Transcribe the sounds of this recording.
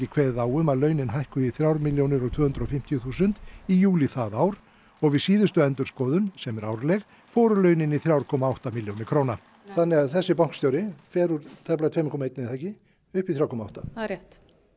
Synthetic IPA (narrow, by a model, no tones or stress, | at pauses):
ɪkʰvɛːððaːwʏmaðlœːɥnɪnɦajhkʏiθɾjawɾmɪljownɪɾɔɣt̪ʰvœːhʏnd̪ɾɔfɪm̥t̪jʏθuːsʏnt̪ijuːliθaðaːwɾ | ɔɣvɪðsiːðʏst̪ʏɛnt̪ʏɾ̥skɔːðʏnsɛmɛɾawɾlɛɣ | foːɾʏlœːɥnɪniθɾjawɾkʰɔːmaawht̪amɪljownɪkʰɾoːwna | θanːɪɣaðθɛsːɪpawŋ̥kst̪jowɾɪfɛːɾʏɾt̪ʰɛplat̪veːmɪkʰɔːmaejt̪nɪɪθajcɪ | ʏhpiθɾjawɾkʰɔmaawht̪aɾjɛht̪